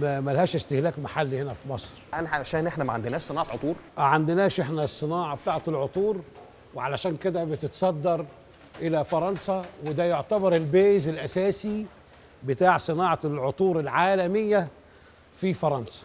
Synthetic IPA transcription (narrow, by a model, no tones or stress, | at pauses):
mæmælhæːʃest̪ehlæːkmaħalːihenæfimɑsˤɾʔænæħaʃæːnʔeħnæmæʕand̪enæːʃsˤɨnɑːʕɑt̪ʕot̪ˤuːɾʔʕand̪ɪnæːʃʔeħnæsˤːɨnɑːʕɑbet̪aːʕet̪lʕot̪ˤuːɾ | weʕalæʃæːnked̪æbet̪et̪sˤɑd̪ːɑɾˤ | ʔelæfɑɾˤɑnsɑwed̪æːjoʕt̪æbɑɾˤelbæːʔzelʔæsæːsi | bɪt̪aːʕsˤɨnɑːʕɑlʕot̪ˤuːɾelʕaːlæmejːæ | fifɑɾˤɑnsɑ̥